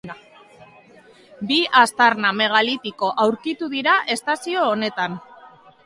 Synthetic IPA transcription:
biʔast̪aɾname̞ɣ̞alit̪iko̞ʔawɾkit̪uðiɾaʔe̞st̪asio̞ːne̞t̪an

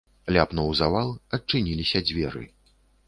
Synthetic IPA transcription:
lʲapnɔwzavalˠɐt͡ʂɨnʲilʲisʲɐd͡zʲvʲɛɾɨ̰

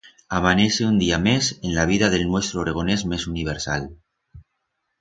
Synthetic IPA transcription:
amaneseund̪iamesenlaβ̞iðaðe̞lnwe̞st̪ɾoɾeɣ̞onezmesuniβ̞eɾsa̰l

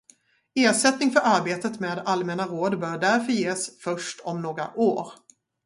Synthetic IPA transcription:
eːʂɛt̪nɪŋfœɾaɾbeːt̪ət̪meːd̪almɛnaɾoːd̪bœːɾɖæɾfœɾjeːsfœʂʈʰɔmnoːɡɾa̰ʔoːɾ

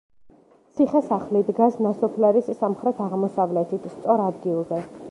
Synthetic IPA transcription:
t̪sʰiχɛsaχlid̪ɡasnasɔpʰlɛɾisːamχɾɛt̪ʰaʁmɔsavlɛt̪ʰit̪ʰst̪sʼɔɾad̪ɡilˠzɛ

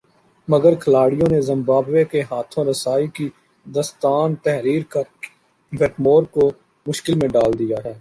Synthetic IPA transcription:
mɐɡəɾkʰɐlaːɽijõnezɐ̃mbaːbʋekeɦaːt̪ʰõɾɐsaːiki | d̪əst̪aːnt̪ɛɦɾiːɾka | bʱɛːʈmoːɾko | mʊʃkɪlmẽɖaːld̪ijaɦɛː

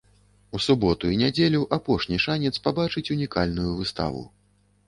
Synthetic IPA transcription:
usubɔt̪uinʲad͡zʲelʲuʔapɔʂnʲiʂanʲɛt̪spabat͡ʂɨt͡sʲunʲikalʲnujuvɨst̪a̰vṵ

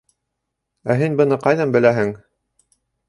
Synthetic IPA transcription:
æɦinbɤ̆nɤqɑjðɑmbɘ̆læɦɘŋ

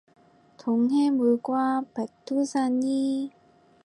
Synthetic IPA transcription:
t̪oŋɦemuɭɡwapetʰːusʰaɲi

